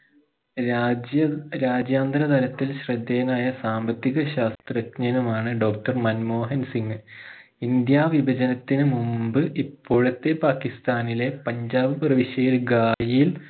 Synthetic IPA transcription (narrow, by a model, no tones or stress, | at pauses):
ɾaːd͡ʑjaːnd̪ɾɐt̪ɐlɐt̪ːilɕrɐd̪ːeːnaːjɐsaːmbɐt̪ːiɣɐɕaːst̪rɐkɲɐnɐmaːɳɨɖo̞ːk̚ʈɐrmɐnmo̞ːɦɐnsiŋɡɨ | ind̪jaːʋibʱɐd͡ʑɐnɐt̪ːinɨmumbɨʔipːoːɻɐt̪ːe̞paːkist̪aːnile̞pɐɲd͡ʑaːbɐprɐʋiɕɐjilɡaːjijil